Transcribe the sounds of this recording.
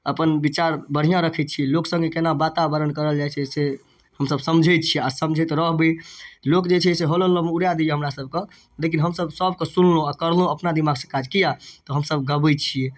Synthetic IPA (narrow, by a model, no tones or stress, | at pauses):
əpənbit͡ʃaɾbəɽ̤ijãɾəkʰɛt̪̚t͡ʃʰiɛloksə̃ŋɡekenabat̪abəɾənkəɾəld͡ʒajt͡ʃʰɛse | həmsəbsəmd͡ʒʱət̪̚t͡ʃʰiɛasəmd͡ʒʱɛt̪ɾəɦbelokd͡ʒet͡ʃʰɛseɦololəmeuɾjad̪ieɦəmɾasəb̚ʱke | lekinɦəmsəbsəbʱkesunlõakəɾlõəpnad̪imaɡsə̃kad͡ʒkijat̪ɔɦəmsəbɡəbəjt̪t͡ʃʰijɛ